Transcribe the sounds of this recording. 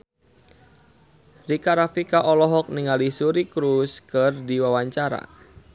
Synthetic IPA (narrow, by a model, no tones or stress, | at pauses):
rikaɾafikaʔɔlɔɦɔk̚niŋalisuɾikɾuskərdiwawaɲt͡ʃaɾa̰